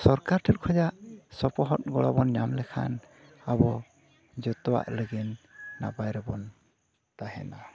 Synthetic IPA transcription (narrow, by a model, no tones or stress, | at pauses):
sɔɾkaɾʈʰɛlkʰɔd͡ʒaʔsɔpɔɦɔt̚ɡɔɽɔbɔnɲamlɛkʰa̰n | abɔ | d͡ʒɔt̪ɔwa̰ʔləɡinːa̰bajɾɛbɔn | t̪aɦɛ̰na